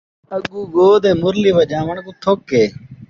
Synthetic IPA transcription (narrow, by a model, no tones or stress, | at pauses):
əɠuːɡoːd̪ẽːmʊɾliːʋəd͡ʒaːʋəɳkũːt̪ʰokːeː